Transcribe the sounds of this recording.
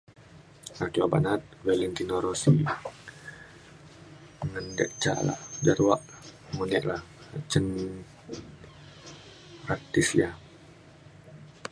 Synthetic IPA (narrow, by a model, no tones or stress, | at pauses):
at͡ʃuaba̰nat̪̚wɛlɛnt̪inoɾosi | ŋəndɛʔt͡ʃa̰la̰ʔd͡ʒaɾwaʔ | munɛʔlahat͡ʃən | rat̪islia